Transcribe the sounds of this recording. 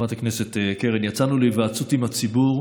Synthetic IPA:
mat̪aknese̞t̪ekeʁenjat͡sanulejvaːt͡sutimat͡sibuʁ

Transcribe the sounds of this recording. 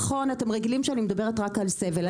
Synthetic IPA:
χo̞nat̪e̞mʁeɡilimʃeanimed̪abe̞ʁetʁakalsevel

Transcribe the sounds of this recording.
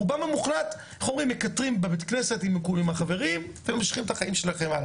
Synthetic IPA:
ubamemuχlat̪ | χomʁimekat̪ʁimbebet̪kne̞se̞t̪imekulimhaχave̞ʁimvemaʃχimt̪aχaimʃe̞laχemala

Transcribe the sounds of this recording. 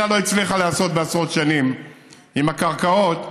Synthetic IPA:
alo̞it͡sliχalaaːso̞t̪̚beasʁo̞t̪ʃanim | imakaʁkao̞t̪

